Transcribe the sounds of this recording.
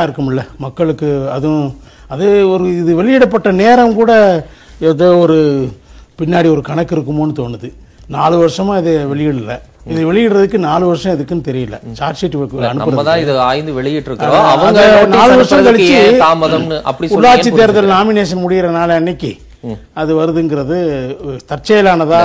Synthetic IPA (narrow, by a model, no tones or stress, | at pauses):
ɪɾɯkːɯmɪlːɐmɐkːɐɭɯkːɯɐðʊ̃ | ɐðɯɔɾɯɪðɯʋɛɭɪjɪɽɐpːɐʈːɐneːɾɐmkuːɽɐ | ɛðoːɔɾɯ | pɪnːaːɽiɔɾɯkɐɳɐkːɪɾɯkːɯmoːnːɯt̪oːnːɯðɯ | naːlɯʋɐɾɯʂɐmãːɪðeʋɛɭɪjɪɽɯlːɐ̰ | ɪðɯʋɛɭɪjɪɽɾɐðɯkːɯnaːlɯʋɐɾɯʂɐ̃ɪðɯkːɯnɯt̪ɛɾɪjɪlːɐ̰t͡ʃaːɾʈsiʈːʋɐkːɐnɯpɐɯɾɐmːɐðãːɪðɯaːjnd̪ɯʋɛɭɪjɪʈːɾɯkːɾoɐʋɐɐnɡd̪ɐnaːlɯʋɐɾʂɐ̃mk̪ɐɭɪt͡ʃt͡ʃːɯaːmɐðɐmnɯʔɐ̰pːɐɽiʊɭːaːt͡ʃːit̪ːeːɾɐðɐlnaːmɪneːʂɐnmʊɽɪjɪɾɐnaːlɐnːɪkːi | ɐðɯʋɐɾɯðɯŋɡɪɾɐðɯt̪ɐɾt͡ʃːɐjɐlaːnɐðãː